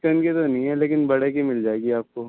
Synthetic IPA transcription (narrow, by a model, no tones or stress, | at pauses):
kɐnket̪onɐɦĩɦɛleːkɪnbɐɽekimɪld͡ʒaːeɡiaːp̚koː